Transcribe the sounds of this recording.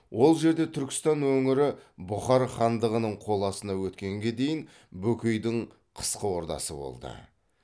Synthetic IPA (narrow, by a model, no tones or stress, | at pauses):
wʔo̞lˠʒe̞ɾd̪e̞t̪ʰʏɾkʲɪ̥st̪ɑnwɵŋɪɾɪbʊχɑɾχɑnd̪əʁənəɴqʰo̞lˠɑsənɑwɵt̪kʲe̞ŋɡʲe̞d̪e̞jɪn | bɵkʲʏjd̪ɪɴ | qʰə̥sqəwo̞ɾt̪ɑ̰sə̰bo̞̰lˠd̪ə̰